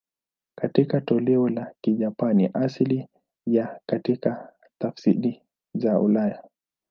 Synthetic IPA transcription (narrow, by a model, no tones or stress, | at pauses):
katikatɔlɛɔlakiʄapanḭʔasli | jakatika | tafsiɾi | zaṵlaja